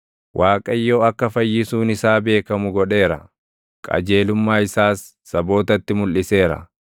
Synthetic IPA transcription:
wʔaːkʼɐjːo̞ːɐkːɐfɐjːɪsuːnɪsaːbe̞ːkɐmʊɡɔᶑe̞ːɾɐ | kʼɐ̰d͡ʒe̞ːlʊmːaːɪsaːsː | ɐbo̞ːt̪ɐt̪ːɪmʊlʔɪse̞ːɾɐ̰

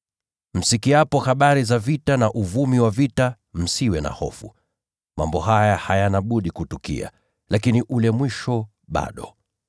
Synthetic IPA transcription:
m̩sikiapɔhaɓaɾizavitanaʔuvumiwavita | m̩siwɛna̰hɔ̰fṵ | ma̰mbɔɦajahajanaɓuɗikutukḭa̰ | lʔakiniʔulɛmwiʃɔ | ɓa̰ɗɔ

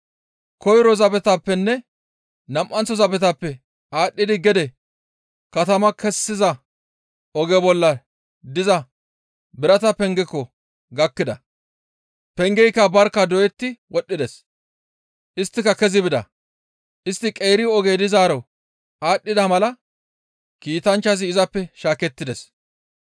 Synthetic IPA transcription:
kɔjɾɔzɐbɛt̪apːɛnːɛ | nɐmʔɐnt͡sːɔzɐbɛt̪ɐpːɛ | ʔaːɗːɪd̪ɪɡɛd̪ɛ | kɐt̪ɐmɐkɛsːɪzɐ | ɔɡɛbɔlːɐ | d̪ɪzɐ | bɪɾɐt̪ɐpɛŋɡɛkːɔ | ɡɐkːɪd̪ɐ | pɛŋɡɛjkːɐbɐɾkːɐd̪ɔjɛt̪ːɪwɔɗːɪd̪ɛs | ʔɪst̪ːɪkɐkɛzɪbɪd̪ɐ̰ | ʔɪst̪ːɪkʼejɾɪɔɡɛd̪ɪzaːɾɐw | aːɗːɪd̪ɐmɐlɐ | kiːt̪ɐnt͡ʃːɐs̬ɪːzɐpːɛʃaːkɛt̪ːɪd̪ɛs

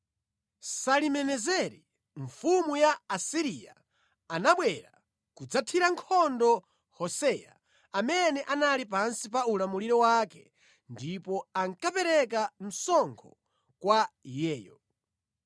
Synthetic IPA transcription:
salimɛnɛzɛɾi | ɱfumujaːsiɾia̰ː | naɓwɛɾa | kud͡zatʰiɾaŋkʰɔndɔ | hɔsɛja̰ | amɛnɛʔanalip̬ansip̬aulamuliɾɔwakɛ | ndipɔaŋkapɛɾɛk̬am̩sɔŋkʰɔ | kwajɛːjɔ̰

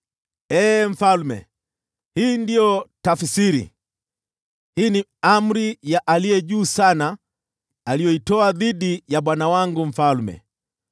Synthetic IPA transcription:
ɛːɱ̩falmɛ̰ | hiːndijɔtafsiɾḭ | hiːniam̩ɾijaʔalijɛʄuːsana | alijɔitɔaðiɗijaɓwanawaŋɡuɱ̩falmɛ̰

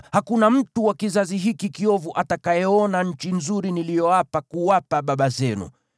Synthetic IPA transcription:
hakunam̩tuwakizaziɦikikiɔvuʔatakajɛɔnaɲ̩t͡ʃinzuɾinilijɔwapakuwapaɓaɓazɛnṵ

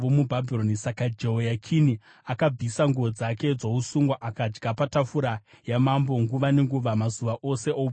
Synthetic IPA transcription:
ʋomubʱabʱironisakad͡ʒejakʰini | akab͡visaŋɡuʋo̞d͡zake̞d͡zousuŋɡwaʔakad͡ʒɡapatafuɾa | jamambo̞ŋɡuʋane̞ŋɡuʋamazuʋaʔo̞se̞ʔou

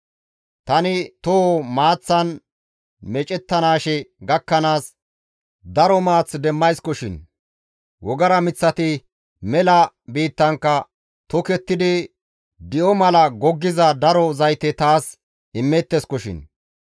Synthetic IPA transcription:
t̪ɐnɪt̪omaːt͡sːɐn | mɛt͡ʃʼɛt̪ːɐnaːʃɛɡɐkːɐnaːs | d̪ɐɾɔmaːt͡sd̪ɛmːɐjskɔʃɪn | wɔɡɐɾɐmɪt͡sːɐt̪ɪ | mɛlɐ | biːt̪ːɐŋkːɐ | t̪ɔkɛt̪ːɪd̪ɪ | d̪ɪʔɔmɐlɐɡɔɡːɪzɐd̪ɐɾɔzɐjt̪ɛt̪aːs | ɪmːɛt̪ːɛskɔʃɪ̰n

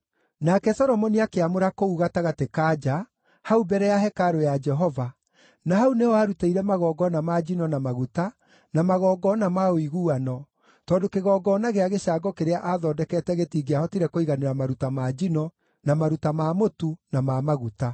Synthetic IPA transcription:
nakɛsɔɾɔmɔniakeamoɾakouɣataɣatekad͡ʒa | haubɛɾɛjaɦɛkaɾojad͡ʒɛɦɔva | naɦauneaːɾutaiɾɛmaɣɔːɡɔnamad͡ʒinɔnamaɣuta | namaɣɔːɡɔnamaoiɣuːanɔ | tɔːndokeɣɔːɡɔːnaɣeaɣeɕaːɡɔkeɾeaʔaðɔːdɛkɛtɛɣetiːɡeahɔtiɾɛkoiɣaneɾamaɾutamad͡ʒinɔ | namaɾutamamotunamamaɣuta

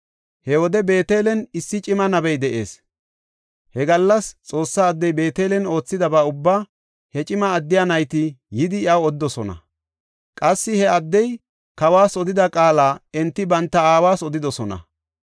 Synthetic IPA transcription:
hɛwɔd̪ɛbe̞ːt̪e̞ːlɛnɪsːɪt͡ʃʼɪmɐnɐbɛjd̪ɛʔe̞ːs | hɛɡɐlːɐst͡sʼo̞ːsːɐːd̪ːɛjbe̞ːt̪e̞ːlɛno̞ːt͡sːɪd̪ɐbɐʊbːaː | hɛt͡ʃʼɪmɐːd̪ːɪjanɐjt̪ɪjɪd̪ɪɐwɔd̪ːɔsɔnɐ̰ | kʼɐsːɪhɛɐd̪ːɛj | kɐwaːsɔd̪ɪd̪ɐkʼaːlaːɛnt̪ːɪbɐnt̪ːɐaːwaːsɔd̪ɪd̪ɔsɔnɐ̰

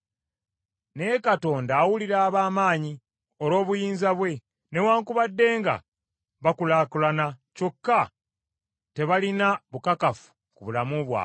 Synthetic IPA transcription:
neekato̞ːndaːwuliɾaːβaːmaːɲi | o̞ɾo̞ːβujiːnzaβwe̞ | newaːŋkuβadːe̞ːŋɡa̰ | βakulaːkulanaco̞kːa | te̞βalinaβukakafu̥ | kuβulamuβwa̰

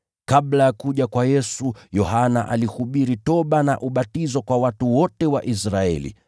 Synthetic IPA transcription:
kaɓlajakuʄakwajɛsujɔhanaʔa̰lihuɓiɾitɔɓanaʔuɓatizɔkwawatuwɔtɛwaʔisɾaɛ̰lḭ

